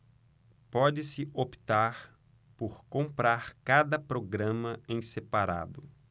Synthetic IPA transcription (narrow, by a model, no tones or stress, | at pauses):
pɔd͡ʒɪsɪopi̥t̪aɾ | poɾkõmpɾaɾkad̪ɐpɾoɡɾɐ̃mɐẽj̃sepaɾa̰d̪ʊ